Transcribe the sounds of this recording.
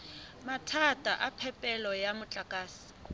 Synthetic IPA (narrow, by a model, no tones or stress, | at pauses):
matʰatʼaʔapʰɛpʼɛlɔjamʊt͡ɬʼakʼaːsi̥